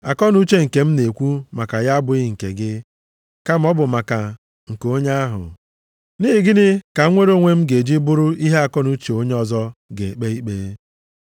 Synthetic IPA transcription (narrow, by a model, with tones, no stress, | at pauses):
a˨kɔ˦nu˦t͡ʃe˦ŋ̩˨ke˨m̩˦ne˨kʷu˦ma˨ka˨ja˦bʊ˨ɪ˦˨ŋ̩˨kḛ˨ɡɪ˦ | ka˦m̩˦ɔ˦bʊ˨ma˨ka˨ | ŋ̩˨ko˦ɲa˦a˦ɦʊ̰˨ | ni˦ɪ˨ɡɪ˦dɪ˦ka˨˦ŋʷe˦ɾo˦ŋʷe˦m̩˦ɡe˨d͡ʒi˦bʊ˦ɾʊ˦i˦ɦe˦a˨kɔ˦nu˦t͡ʃe˨o˦ɲe˦ɔ˨zɔ˦ɡe˨k͡pe˦i˦k͡pe˨˦